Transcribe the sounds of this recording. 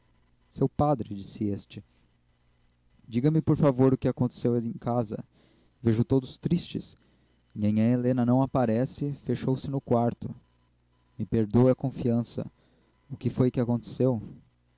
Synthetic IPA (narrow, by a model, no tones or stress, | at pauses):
sewpad̪ɾɪd͡ʒisɪest͡ʃɪ | d͡ʒiɡɐmɪpoɾfavoɾʊkɪakõnt̪e̥sewẽj̃kazɐ̰ | veʒʊt̪od̪ʊst̪ɾist͡ʃɪs | ɲẽɲɐ̃elẽnɐnɐ̃w̃apaɾɛsɪfeʃowsɪnʊkwaɾt̪ʊ | mɪpeɾd̪owɐkõfiɐ̃sɐ̰ | ʊkɪfojkɪakõnt̪e̥sew